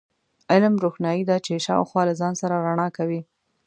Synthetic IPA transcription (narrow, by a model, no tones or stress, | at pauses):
ɪlmɾoxnjɑjid̪ɑt͡ʃeʃɑ̰wxwɑlazɑnsaɾaɾaɳɑkawi